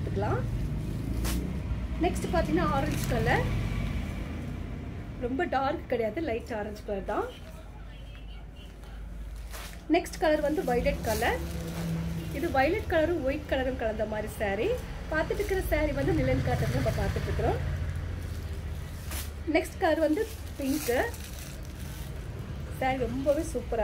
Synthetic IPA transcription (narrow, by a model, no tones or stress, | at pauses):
t̪ːɯkːɐɭãː | nɛksʈɯpaːɾt̪̬iŋɡɐnaːaːɾɐɲd͡ʒkɐlːɐɾ | ɾɔmbɐɖaːɾkɯ̥kɪɽɛjaːðɯlɐɪʈːaːɾɐɲd͡ʒkɐɭɐɾt̪ãː | nɛksʈkɐlɐɾʋɐnd̪ɯʋɐɪlɛʈkɐlɐɾ | ɪðɯʋɐɪlɛʈkɐlɐɾɯ̃ɔɪʈkːɐɭɐɾɯmkɐɭɐnd̪ɐmaːd̪ɾisaːɾi | paːɾt̪ɯʈːɾɯkːɪɾɐsaːɾiʋɐnd̪ɯnɪlɛnkaːɾʈ̪ːɐt̪ːɐnɐmːɐpaːɾt̪ɯʈːɪɾɯkːɪɾõː | nɛksʈkɐlɐɾʋɐnd̪ɯ | pɪŋkɯ | saːɾiɾɔmbɐʋeːsuːpːɐɾa